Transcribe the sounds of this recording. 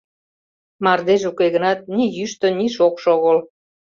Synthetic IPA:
mɑrd̪eʒukeɣənɑt̪̚nijyʃt̪ə̆niʃokʃoɣəl

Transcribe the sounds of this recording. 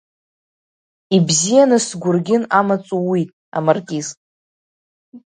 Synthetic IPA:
ibzijanɨsɡʷʊrɡʲɪnamat͡sʼuwitʼ | a̰markʲʼiz

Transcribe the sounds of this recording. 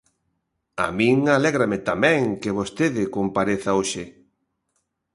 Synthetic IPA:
a̰mĩŋalɛɣɾamɪt̪amɛ̃ŋkɪβost̪eðɪkompaɾeθaoʃɪ

